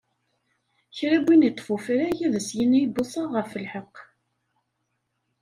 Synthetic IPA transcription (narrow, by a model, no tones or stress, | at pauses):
çɾæbːinit̪ˤːfufɾæjiðəsjinibʊsˤɑʁəɾfəlħəqː